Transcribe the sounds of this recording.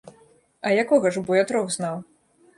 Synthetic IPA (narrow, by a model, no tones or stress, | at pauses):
ɐjakɔɣɐʐbujat̪ɾɔwznaw